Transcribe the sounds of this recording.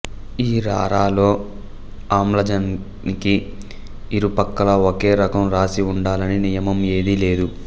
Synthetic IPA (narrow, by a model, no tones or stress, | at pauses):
iːɾa̰ːɾaːlo̞ː | aːmlɐd͡ʒɐn | niki | iɾupɐkːɐlɐoke̞ːɾɐkɐmɾaːsiuɳɖaːlɐninijɐmɐme̞ːd̪ile̞ːd̪u